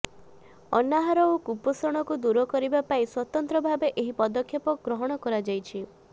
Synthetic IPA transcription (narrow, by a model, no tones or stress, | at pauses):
ɔnaɦaɾɔokupɔsɔɽ̃ɔkud̪uɾɔkɔɾibapaiswɔt̪ɔnt̪ɾɔbʱabeʔeɦipɔd̪ɔkʰjɔpɔɡɾɔɦɔɽ̃ɔkɔɾad͡ʒajt͡ʃʰi